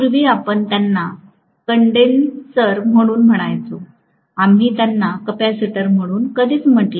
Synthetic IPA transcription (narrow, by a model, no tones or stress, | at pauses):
kuɾʋiːapəɳt̪janːa | kəɳɖensəɾm̤əɽ̃uːnm̤əɽ̃ajt͡so | amiːt̪janːakəpasiʈəɾm̤əɽ̃uːnkəd̪ʱiːt͡sm̤əʈli